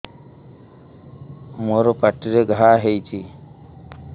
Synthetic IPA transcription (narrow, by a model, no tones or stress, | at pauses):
moɾɔpaʈiɾeɡʱaɦejt͡ʃʰi